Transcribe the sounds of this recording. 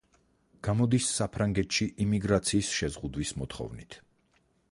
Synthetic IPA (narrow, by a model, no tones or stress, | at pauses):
ɡ̥amɔd̪isːapʰɾaŋɡɛt̪ʰʃiʔimiɡɾat̪sʰiːsʃɛzʁud̪wismɔt̪ʰχɔ̰vnit̪ʰ